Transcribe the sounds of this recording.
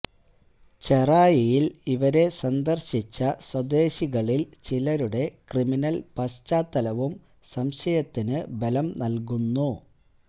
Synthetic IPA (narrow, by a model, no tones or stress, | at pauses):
t͡ɕe̞raːjɐjiliʋɐɾe̞sɐnd̪ɐrɕit͡ɕːɐswɐd̪e̞ːɕiɣɐɭilt͡ɕilɐɾuɽe̞kriminɐlpɐst͡ɕaːt̪ːɐlɐʋum | sɐmɕɐjɐt̪ːinɨbe̞lɐmnɐlkunːu